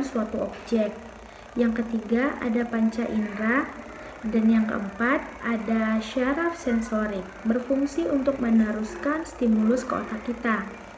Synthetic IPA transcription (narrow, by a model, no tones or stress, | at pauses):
nsuat̪uɔb̚d͡ʒɛk̚t̪̚ | jaŋkət̪iɡaʔa̰dapaɲt͡ʃaʔinɾa | danjaŋkə̰ʔəmpat̪̚ʔadaʃaɾafsɛnsoɾɪk̚bərfuŋsiʔunt̪ʊk̚mənəɾuskanst̪imulʊskəo̰t̪akit̪a